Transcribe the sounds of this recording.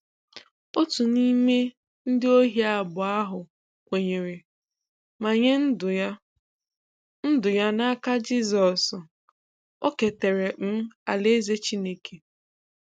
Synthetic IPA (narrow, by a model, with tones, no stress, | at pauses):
o˦tu˨ni˦me˦ | n̩˦dɪ˦o˦ɦi˦a˨bʊ˨a˦ɦʊ˨ | kʷe˨ɲe˨ɾe˨ | ma˨ɲe˦n˦˨ | n̩˦dʊ˨ja˦na˦ka˦d͡ʒi˦zɔ˨s | o˦ke˨te˨ɾe˨m̩˦a˨le˦ze˦t͡ʃi˦ne˦kʰe˨